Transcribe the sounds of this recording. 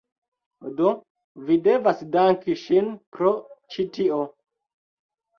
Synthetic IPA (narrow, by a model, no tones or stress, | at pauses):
do | videvasdaŋkiʃinpɾot͡ʃitio